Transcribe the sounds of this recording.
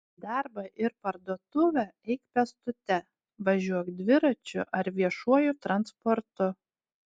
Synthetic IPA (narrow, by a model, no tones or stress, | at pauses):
d̪ɑɾbɐʔɪɾpɐɾd̪uɔt̪ʊʋʲɛɛɪkpʲɛst̪ʊt̪ʲɛ | ʋɐʒʲuɔkd̪ʲʋʲɪɾɐt͡ʃʲʊ̰ʔɐɾʋʲiɛʃuɔjʊt̪ɾɐnspɔɾt̪ʊ